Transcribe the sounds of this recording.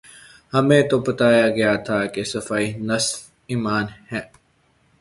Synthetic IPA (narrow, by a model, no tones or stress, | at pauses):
hɐmẽːt̪obɐt̪aːjaɡɐjat̪ʰakesɐfaːinɐs | iːmaːnhɛ̃ː